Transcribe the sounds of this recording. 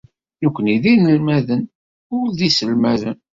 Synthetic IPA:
jukʷːəniðinəlmæðən | ʊlðisəlmæðən

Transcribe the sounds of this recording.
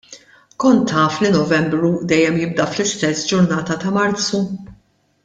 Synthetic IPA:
kɔnt̪ːɐːflinɔvɛmbɾud̪ɛjːɛmjɪb̚d̪ɐflɪst̪ɛsːd͡ʒʊɾnɐːt̪ɐt̪ɐmɐɾt͡sːu

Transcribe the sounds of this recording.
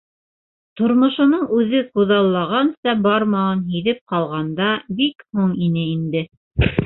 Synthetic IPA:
t̪ŏɾmŏʃŏnɤɴʉðɘquðɑlˠːɑʁɑnsɑbɑɾmɑɑnɦiðɘp̚qɑlˠʁɑnd̪ɑbikhuɴinɘind̪ɘ

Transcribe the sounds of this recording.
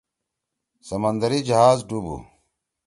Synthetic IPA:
sɐmɐnd̪ɐɾid͡ʑɐɦaːzɖubṵ

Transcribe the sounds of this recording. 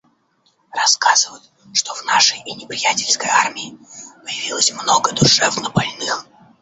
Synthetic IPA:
rɐskazɨvətʲ | ʂt̪ovnaʂəjnʲɪpɾʲɪjætʲɪlʲskəjarmʲɪɪpəjɪvʲilˠəsʲmnoɡəd̪ʊʂɛvnəbalʲnɨx

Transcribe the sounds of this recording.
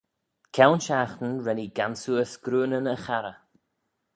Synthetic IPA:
kʰɛwnʃaxt̪ən̩ɹɛniɡansuəsɡ̥ɾuːnənəxaɾə

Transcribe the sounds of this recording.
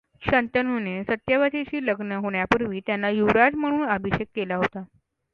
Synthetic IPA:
ɕənt̪ənunesət̪jəʋat̪et͡ɕiːləɡnəɦoɽ̃japuɾʋiːt̪janːajuʋɾad͡zm̤əɽ̃uːnabʱiɕekːelaɦot̪a

